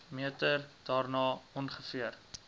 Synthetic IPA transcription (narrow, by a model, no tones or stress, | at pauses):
miətərd̥ɑːrnɑːɔnχəfiər